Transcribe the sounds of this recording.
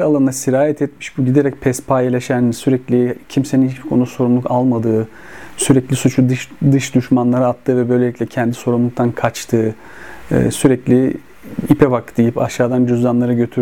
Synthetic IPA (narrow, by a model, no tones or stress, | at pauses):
ɾalˠannasiɾaːjɛt̪ʰɛt̪mi̥ʃbuɟid̪eɾɛc̚pʰɛspʰajalʲaʃænsyɾɛclʲicʰimseninhit͡ʃbikʰo̞nuso̞ɾumlˠukalˠmad̪ɯː | syɾɛclʲisut͡ʃʰud̪ɯʃd̪ɯʃd̪yʃmanlˠaɾɯat̪ʰːɯːvɛbø̞jlʲeicʲlʲɛcʰɛnd̪i̥so̞ɾumlˠuk̚t̪ʰankʰat͡ʃt̪ʰɯ̰ː | syɾɛclʲi | ipʰɛbakd̪̥ijipaʃaːd̪and͡ʒyzd̪anlˠaɾɯɟø̞t̪ʰyɾ